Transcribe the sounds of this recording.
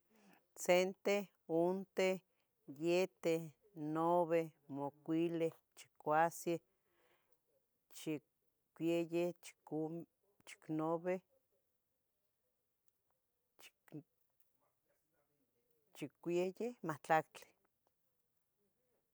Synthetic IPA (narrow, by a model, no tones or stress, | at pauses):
t͡sent̪e | ont̪e | jet̪e | noβemokʷile | t͡ʃi̥kʷasje | t͡ʃi | kʷjejet͡ʃ | t͡ʃi̥knoβe | t͡ʃikʷejehmat͡ɬakt͡ɬe̥